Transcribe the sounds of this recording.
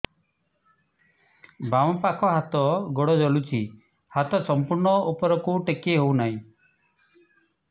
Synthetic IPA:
bamɔpakʰɔɦat̪ɔɡɔɽɔd͡ʒɔlut͡ʃʰi | hat̪ɔsɔmpuɾɳɔupɔɾɔkuʈekeɦownaɦĩ

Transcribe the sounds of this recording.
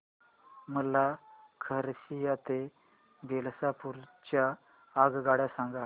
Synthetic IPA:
məlakʰəɾɕijat̪e | belsapuɾt͡ɕaː | ɡɡaɽjasaŋɡa

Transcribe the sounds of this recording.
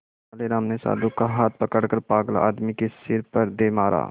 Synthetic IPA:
aːleɾaːmnesa̰ːd̪ukaɦaːt̪̚pɐkəɽkəɾpaːɡəla̰ːd̪mikesɪɾpəɾd̪emaːɾʔa̰ː

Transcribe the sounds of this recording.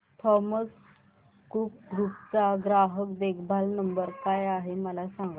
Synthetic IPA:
t̪ʰɔməs | kukɡuk̚t͡saɡɾaɦəkd̪ekʰbʱalnəmbəɾkajaɦeməlasãŋɡa

